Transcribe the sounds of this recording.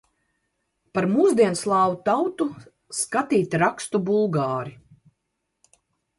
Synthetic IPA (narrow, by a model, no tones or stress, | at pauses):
paɾmuːzd̪iɛnslˠɑːwut̪awt̪u | skat̪iːt̪ʲɾakst̪ubulˠɡaːɾi